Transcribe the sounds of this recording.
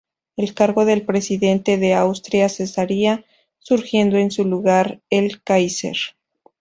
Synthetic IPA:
e̞lkaɾɣo̞ðe̞lpɾe̞siðe̞nt̪e̞ðe̞awst̪ɾjase̞saɾia | suɾxje̞nd̪o̞e̞nsuluɣaɾelkajsḛɾ

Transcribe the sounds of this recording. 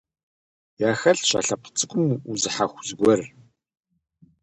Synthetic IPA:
jaːxɐɬʃa̰ːɬɐqə̥t͡sʼɨkʷʼʊmuzɨħaxʷzɡʷɔr

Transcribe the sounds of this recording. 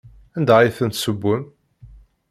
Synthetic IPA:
ænd̪æiθənt̪səbːʊm

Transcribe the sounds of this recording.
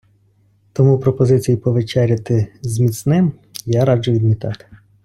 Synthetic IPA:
t̪ɔmupɾɔpɔzɪt͡sʲijipɔʋet͡ʃɛɾʲɐt̪ɪzmʲit̪snɪm | jaɾɑd͡ʒʊʋʲid̪mʲit̪ɑ̰t̪ɪ̥

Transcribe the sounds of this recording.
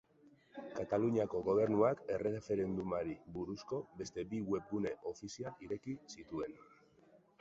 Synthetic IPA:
kat̪aluɲiako̞ɣo̞β̞e̞ɾnuake̞re̞ɣefe̞ɾe̞nd̪umaɾibuɾusko̞be̞st̪e̞biɣwe̞p̚ɡune̞ʔo̞fisialʔiɾe̞kisit̪ue̞n

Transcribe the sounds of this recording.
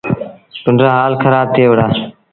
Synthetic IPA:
kʊɳɖɾãːɦaːlkʰəɾaːb̚t̪ʰeːʋəɽaː

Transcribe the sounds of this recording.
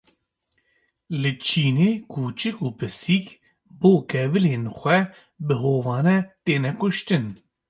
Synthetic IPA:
lɨt͡ʃʰiːneːkʰuːt͡ʃɨkuːpɨsiːk | boːkɛvɨleːnxʷɛ | bɨɦoːvɑːnɛt̪eːnɛkʊʃt̪ɨn

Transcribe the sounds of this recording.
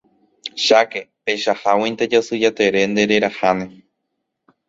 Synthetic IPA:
ʃakepeʃahawĩnt̪ed͡ʒosɨd͡ʒat̪e̞ɾe̞nd̪e̞ɾe̞ɾahanẽ

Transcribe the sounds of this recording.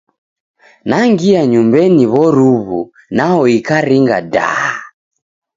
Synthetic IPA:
naŋɡiaɲumbɛniβɔɾuβṵ | naɔikaɾiŋɡa̰da̰ha

